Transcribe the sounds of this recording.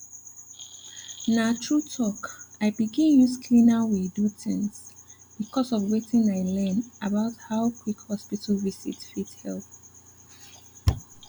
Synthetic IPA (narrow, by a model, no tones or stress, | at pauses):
natʰɹutʰɔkaɪbiɡĩnjuskʰlĩnawidutʰɪ̃ŋs | b̥ikʰɔsɔvwetĩnaɪlɛ̃nabaʊthaʊkwikhɔspitʰalvisḭtfithɛlp